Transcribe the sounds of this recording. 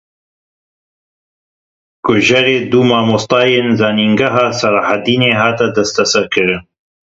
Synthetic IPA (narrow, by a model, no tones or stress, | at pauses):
kʊʒɐɾeːd̪umaːmost̪ɑːjeːnzaːniŋɡaɦaːsɐɾaːhad̪iːneːɦaːt̪ad̪ɐst̪ɐsɐɾkʰɨɾɨn